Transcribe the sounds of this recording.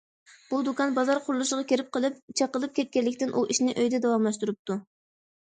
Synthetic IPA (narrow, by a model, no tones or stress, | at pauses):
b̥ud̪ukɑnbɑzɑɾqʰʊɾlˠuʃəʁɑkʲʰeɾɪp̚qəlˠɨp̚t͡ʃʰɑqəlˠɨp̚kʲʰɛt̪̚kʲɛlːɪkʲt̪ɪnʔuʔiʃnɪʔøjd̪ɛd̪ɛwɑmlˠɑʃ̬t̪uɾup̚t̪ʰu